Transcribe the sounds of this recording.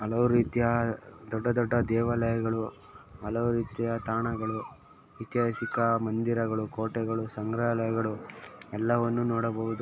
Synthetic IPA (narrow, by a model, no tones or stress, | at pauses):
ɦɐlɐʋuɾiːt̪ijɐd̪ɔɖːɐd̪ɔɖːɐd̪ɛːʋɐlɐjɐɡɐɭu | ɦɐlɐʋuɾiːt̪ijɐt̪aːɳɐɡɐɭu | it̪jaːsikɐmɐnd̪iɾɐɡɐɭukoːʈɛɡɐɭusɐŋɡɾaɐlɐjɐɡɐɭuɛlːɐʋɐnːunoːɽɐbɐɦud̪u